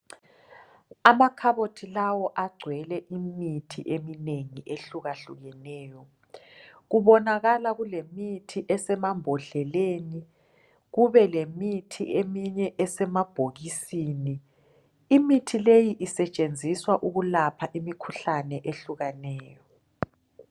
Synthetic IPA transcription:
amakʰaβotʰilawɔʔaɡ͡ǀʱwɛlɛʔimitʰḭʔemineŋiʔeɬuɣaɬuɣɛnɛːjɔ | ɣuβɔnaɣalaɣulemitʰiʔɛsɛmambʱɔɮɛleni | ɣuβɛlemitʰḭʔemiɲɛʔɛsɛmab̥ʱoɣisini | imitʰilejiʔisɛt͡ʃʼend͡zʱiswaʔuɣulapʰaʔimikʰuɬanɛʔeɬuɣanɛːjɔ

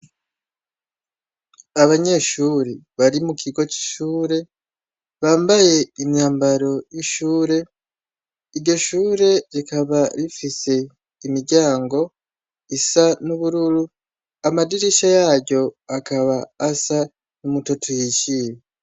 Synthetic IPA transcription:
aβaɲe̞ːʃuːɾiβaɾimukiɡo̞t͡ʃi̥ʃuːɾe̞ | βaːmbaje̞imjaːmbaɾo̞jiʃuːɾe̞ | iɾɟo̞ʃuːɾe̞ɾikaβaɾifise̞ | imiɾɟaːŋɡo̞ | isanuβuɾuɾu | amadiɾiʃajaɟɟo̞akaβaːsa | numutotʰojiciɾe

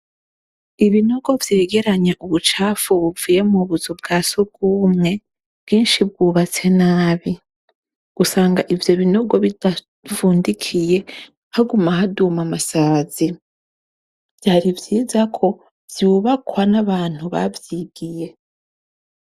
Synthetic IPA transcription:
iβino̞ɡo̞vjeːɡe̞ɾaɲaʔuβut͡ʃaːfuβuviːje̞muβuzubɡaːsoɡ̥umŋe̞ | b̥ɡiːnʃibɡuːβat͡se̞naːβi | ɡ̥usaːŋɡaʔivjo̞βinoɡo̞βid̥a | vuːndikʰije̞ | haɡumaɦadumamasaːz̥i | vjaɾivjiːzakʰo̞ | vjuːβakwanaβaːn̥huβa̰vjiɡ̥ije̞

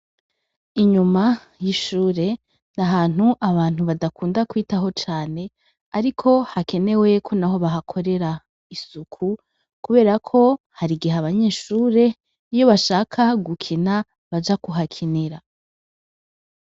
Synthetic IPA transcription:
iɲuma | jiʃuːɾe̞ | n̥aɦaːn̥uʔaβaːn̥huβadakuːndakwiːtaɦo̞t͡ʃaːne̞ | aɾikʰo̞hake̞ne̞we̞kʰo̞naɦo̞βaɦakʰo̞ɾe̞ɾa | isukʰu | kuβe̞ːɾakʰo̞ | haɾiɡiɦaβaɲe̞ːʃuːɾe̞ | ijo̞βaʃaːkʰaɡukʰina | βad͡ʒakuɦakʰineɾa

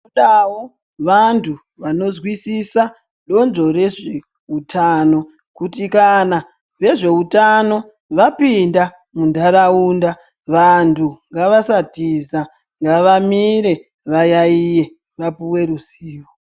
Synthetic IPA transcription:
uɗawo | ʋantʰu | ʋano̞zwisisa | ɗo̞nzo̞re̞ʐe | utʰano̞ | kutikana | ʋe̞ʐe̞utano̞ | ʋapinda | mundʱaɾauːnda | ʋantʰuŋɡaʋasatiza | ŋɡaʋamiɾe̞ | ʋajaije̞ | ʋapuwe̞ɾuziːwo

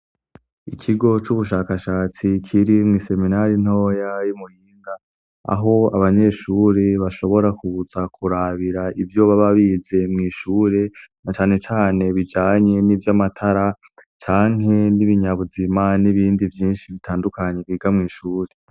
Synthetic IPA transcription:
ikʰiɡo̞t͡ʃuβuʃaːkaʃaːt͡sikʰiɾimŋiːse̞minaɾin̥ho̞ːjajumuhiːŋɡa | a̰ɦo̞aβaɲe̞ʃuːɾeβaʃo̞βo̞ɾakuuzakʰuɾaβiɾaivjo̞βaβaβiːze̞mŋiːʃuːɾe̞nat͡ʃaːne̞t͡ʃaːne̞βid͡ʒaːɲe̞nivjamatʰaɾa | t͡ʃaːŋɦe̞niβiɲaβuzimaniβiːndivjiːnʃiβitʰaːndukaɲe̞kɡiːɡamŋiːʃuːɾe̞

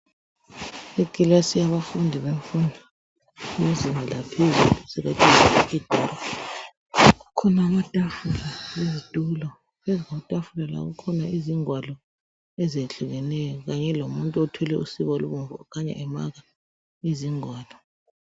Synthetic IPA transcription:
ekʼilasiaβafundʱiβeɱfundʱa | mezinʱalapʰezulusɛɣatʼizaid̥ʱɔɾɔ | ɣukʰɔnaːmatʼafulaβezitʼulɔ | βɛzatʼafulala̰ɣukʰɔnaiziŋwalɔ | ɛzeɬuɣɛnɛjɔɣaɲɛlomuntʼuɔtʰwɛlɛusiβɔluβuɱvṵɔ̰kʰaɲa̰ʔɛma̰ɣa | iziŋwaːlɔ

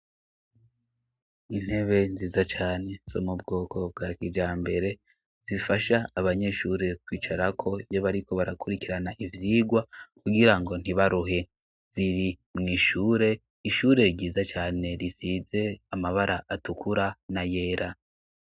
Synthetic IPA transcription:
in̥he̞βe̞nziːzat͡ʃaːne̞so̰mubɡo̞ːkʰo̞b̚ɡakid͡ʒaːmbe̞ɾe̞ | z̥ifaʃaːβaɲe̞ʃuːɾe̞kwiːt͡ʃaɾakʰo̞ijoβaɾiko̞βaɾakuɾikiɾanaʔivjiːɡwakuɡiɾaŋɡo̞n̥iβaɾuɦe̞ | z̥iɾi | mŋiːʃuːɾe̞ | iʃuːɾe̞ɾɟiːzat͡ʃaːne̞ɾisize̞amaβaɾaʔatukʰuɾanaje̞ːɾa

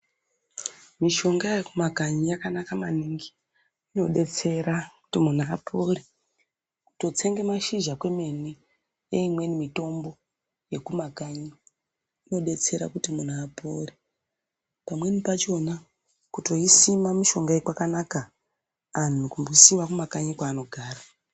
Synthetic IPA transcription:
miʃo̞ŋɡajekumaɡʱaɲijakanakamaniŋɡi | ino̞ɗe̞t͡se̞ɾaku̥timun̤aːpʰoːri | ku̥to̞t͡se̞ŋɡemaʃiʒakwe̞me̞ni | eimwe̞nimito̞mbo̞ | je̞kumakaɲiː | no̞ɗe̞t͡se̞ɾa̰kutimun̤aːpʰoɾi | pamwe̞nipat͡ʃo̞na | kuto̞isimamiʃo̞ŋɡaekwakanaka | an̤ukumbuisimakumakaɲikwaːno̞ɡʱaːra

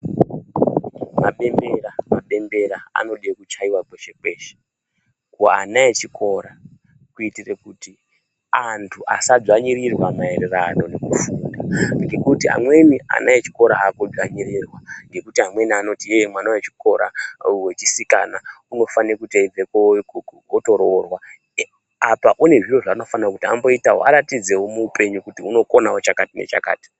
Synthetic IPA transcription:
ma̰ɓe̞mbe̞ɾamaɓe̞mbe̞ɾaa̰no̞ɗekut͡ʃaiwakweʃe̞ke̞ːʃe̥ | kuaanaet͡ʃikʰo̞ːɾa | kuitirekuti | antʰuʔa̰sad͡zaɲiɾirwamae̞rerano̞ne̞kufuːndaŋɡe̞kutia̰mwe̞nia̰naet͡ʃi̥ko̞ɾaakod͡zwaɲiɾiːrwaŋɡe̞kutiɦamwe̞niano̞tiemwanawet͡ʃi̥ko̞ɾa̰we̞t͡ʃisika̰nauno̞faneekutaid͡zeko | to̞ɾorwa | apaʔune̞ʐiro̞ʐaːno̞fanrakutiambo̞itawoaɾatid͡ze̞womuːpʰe̞ɲukutiuno̞ko̞nawot͡ʃakatinḛt͡ʃa̰ka̰ːti̥

